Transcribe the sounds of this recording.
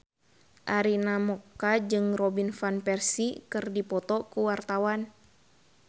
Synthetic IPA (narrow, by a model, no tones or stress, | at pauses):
ʔaɾinamɔkːad͡ʒɨŋrɔbinfanpɛrsikɨrdipɔt̪ɔkuwart̪awan